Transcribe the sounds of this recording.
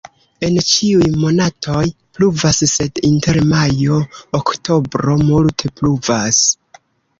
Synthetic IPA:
e̞nt͡ʃiujmo̞natʰo̞j | pluvasse̞dinte̞ɾmajo̞ːkto̞bɾo̞multʰe̞pluvas

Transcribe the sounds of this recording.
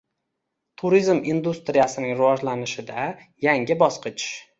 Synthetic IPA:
t̪ʰʊɾizmind̪ust̪ɾijasɪnɪŋɾɪvɒʒlanɪʃɪd̪a | jaŋʲɪbɒsqʰɨt͡ʃ

